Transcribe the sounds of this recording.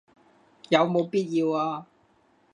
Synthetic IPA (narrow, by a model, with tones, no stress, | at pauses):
jɐ˨˧wmo˨˧wpiː˥t̚ji˧waː˧